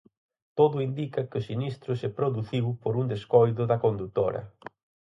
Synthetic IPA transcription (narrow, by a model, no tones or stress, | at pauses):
t̪oðʊind̪ikɐkɪʊsinist̪ɾʊsepɾoðuθiwpoɾund̪eskɔjðʊðɐkond̪ut̪oɾɐ̰